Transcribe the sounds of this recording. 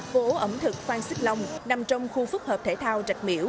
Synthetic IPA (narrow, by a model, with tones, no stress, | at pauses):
vo˧˨˦ʔə˧˩mt̪ʰɨ˨˩k̚xwaː˧ŋsi˦˥k̚lə˧wŋ͡mna˨˩mt͡ɕɔ˧wŋ͡mxu˧fʊ˦˥k̚həː˨˩p̚t̪ʰe˧˦t̪ʰaː˧wt͡ɕa˨˩k̚mḭ˧˦əw